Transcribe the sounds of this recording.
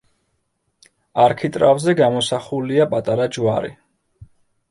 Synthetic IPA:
aɾkʰit̪ʼɾavzɛɡamɔsaχuliapʼat̪ʼaɾad͡ʒwaɾḭ

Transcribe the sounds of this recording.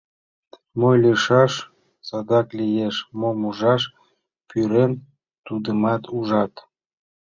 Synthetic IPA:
mojlʲiʃɑʃ | sɑd̪ɑklijeʃmomuʒɑʃ | pyɾen | t̪ud̪əmɑt̪ʰuʒɑt̪

